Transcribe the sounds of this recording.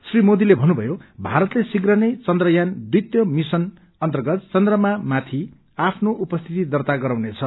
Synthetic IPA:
srimod̪ilebʱʌnːubʱʌjobʱaɾʌt̪lesiɡrʌnʌjt͡sʌnd̪rʌjand̪it̪jʌmisʌn | ʌnt̪ʌrɡʌt̪t͡sʌnd̪rʌmamat̪ʰi | apʰnoʔupʌst̪ʰit̪id̪ʌrt̪aɡʌɾawnet͡sʰʌ

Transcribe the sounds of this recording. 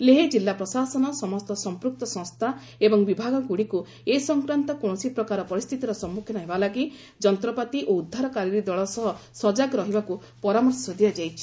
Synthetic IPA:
leɦed͡ʒilːapɾɔsasɔnɔsɔmɔst̪ɔsɔmpɾuk̚t̪ɔsɔ̃ŋst̪ʰa | ebɔŋbibʱaɡɔɡuɽiku | esɔŋkɾant̪ɔkɔ̃ɔsipɾɔkaɾɔpɔɾist̪ʰit̪iɾɔsɔmːukʰjɔnɔɦebalaɡi | d͡ʒɔnt̪ɾɔpat̪iʔoud̪ʱːaɾɔkaɾiɾid̪ɔɭɔsɔɦɔsɔd͡ʒaɡɾɔɦibaku | pɔɾamɔɾsɔd̪ʱiad͡ʒajt͡ʃʰi̥

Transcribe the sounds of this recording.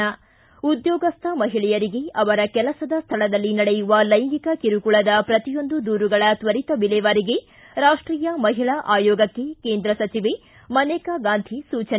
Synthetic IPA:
ɐ | ud̪jɔːɡɐst̪ʰɐmɐɦiɭɛjɐɾiɡe̞ɐʋɐɾɐkɛlɐsɐd̪ɐst̪ʰɐɭɐd̪ɐlːinɐɽejuʋɐlɐjŋɡikɐkiɾukuɭɐd̪ɐpɾɐt̪ijo̞nd̪ud̪uːɾuɡɐɭɐt̪ʋɐɾit̪ɐbilɛʋaɾiɡe̞ | ɾaːʂʈɾiːjɐmɐɦiɭɐʔaːjɔːɡɐkːe̞keːnd̪ɾɐsɐt͡ʃiʋe | mɐnɛːkɐɡaːnd̪ʱʰisuːt͡ʃɐ

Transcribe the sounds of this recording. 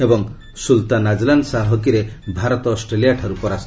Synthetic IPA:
ebɔŋ | sult̪anad͡ʒland̪saɦɦɔkiɾebʱaɾɔt̪ɔːsʈɾelijaʈʰaɾupɔɾas

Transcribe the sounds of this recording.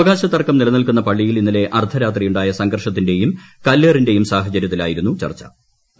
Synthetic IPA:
ɐɣaːɕɐt̪ːɐrkɐmnilɐnilkunːɐpɐɭːijilinːile̞ʔɐrt̪ʰɐɾaːt̪rijuɳɖaːjɐsɐŋɡɐrʂɐt̪̬ːinde̞jumkɐlːeːrinde̞jumsaːɦɐt͡ɕɐɾjɐt̪ːila̰ːjiɾunːut͡ɕɐ̰rt͡ɕːɐ̰

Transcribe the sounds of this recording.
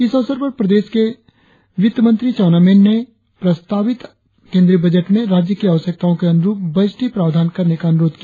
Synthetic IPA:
ɪsɐʋsəɾpɐɾpɾɐd̪eːʃke | ʋɪt̪əmə̃nt̪ɾit͡ʃaːnaːmẽːnːe | pɾɐst̪ʰaːʋɪt̪ | kẽːnd̪ɾibɐd͡ʒəʈmẽɾaːd͡ʒjəkiɐʋəsjək̚t̪aːõkeɐnʊɾuːp̚bɐd͡ʒʈipɾaːʋd̪ʱaːnkɐɾnekaɐnʊɾoːd̪kija

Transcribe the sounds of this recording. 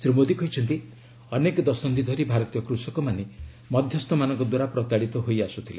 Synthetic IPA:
sɾimod̪ikɔɦjt͡ʃʰɔnt̪i | ɔnekɔd̪ɔsɔnd̪id̪ʱɔɾibʱaɾɔt̪ijɔkɾusɔkɔmane | mɔd̪ʱjɔst̪ɔmanɔŋkɔd̪waɾapɾɔt̪aɽit̪ɔɦojasut̪ʰile

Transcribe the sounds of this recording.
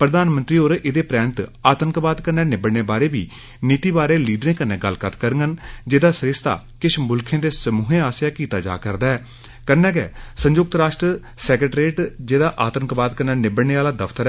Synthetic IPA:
pɾəd̪aːnmə̃nt̪ɾiːoːɾɪd̪eːpɾɛːnɪt̪aːt̪əŋkbaːd̪kənːɛːnɪbəɽneːbaːɾeːbiː | niːt̪iːbaːɾeːliːɖɾẽːkənːɛ̃ːɡəlːkət̪ʰkəɾŋɡənd͡ʒeːd̪aːsɾɪst̪a̰ː | kɪʃʰmʊlkʰẽːd̪eːsəmuːɦẽːaːsjaːkiːt̪a̰ːd͡ʒa̰ːkəɾd̪aːɛː | kənːɛːɡɛ̰ːsə̃ɲd͡ʒʊk̚t̪ɾaːʃʈɾə | sɛːkɾəʈɾeːʈd͡ʒeːd̪aːʔaːt̪ənkbaːd̪kənːɛːnɪbəɽɳeːaːlaːd̪əfʰt̪əɾɛ

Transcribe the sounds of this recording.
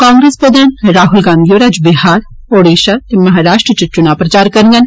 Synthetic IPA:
kãːŋɡɾeːspɾəd̪aːnɾaːɦʊlɡãːnd̪ijoːɾad͡ʒbɪɦaːɾ | oːɽeːʃat̪emɐɦaːɾaːʃʈɾət͡ʃət͡ʃʊnapɾət͡ʃaːɾkɐɾŋɡən

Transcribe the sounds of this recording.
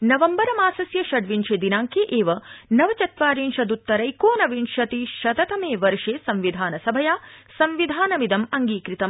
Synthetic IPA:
nɐʋɐmbɐɾɐmaːsɐsjɐʃɐɖʋinʃeːd̪inaːŋkeʔeːʋɐnɐʋɐt͡ʃɐt̪ʋaːɾiːnʃɐd̪ut̪ːɐɾɐjkoːnɐʋinʃɐt̪iʃɐt̪ɐt̪ɐmeːʋɐɾʂeːsɐmʋid̪ʱaːnɐsɐbʱɐjaːsɐmʋid̪ʱaːnɐmid̪ɐmɐŋɡiːkɾit̪ɐm

